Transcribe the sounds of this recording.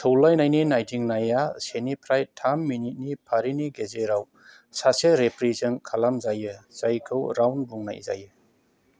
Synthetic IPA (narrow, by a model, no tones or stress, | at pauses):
tʰowlajnajninajtiŋnajasenipʰɾajtʰamːinit̚nipʰaɾiniɡezeɾaw | saseɾepɾizɯŋkʰalamzajɯz̥ajkʰɯwɾawnbuŋna̰jza̰jɯ